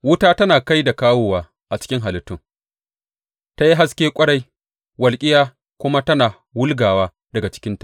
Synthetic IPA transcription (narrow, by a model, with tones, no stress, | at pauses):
wʊ˦taː˦tɐ˦naː˨ka˦jda˨kaː˦wʊː˨waː˨ | ʔa˨t͡ʃɪ̥˦kʲɪ˦ŋɦa˨lɪ˨˦tːʊ˦ŋ | ta˦ji˦ɦa˦skʲeː˦kʷʼɐ˦ɽa˦j | wɐ˨lkʲʼɪ˦jaː˦ | kʷʊ˦ma˦tɐ˦naː˨ | wʊ˦lɡaː˨waː˦ | dɐ˨ɡa˨t͡ʃɪ̥˦kʲɪ˦ntḁ˨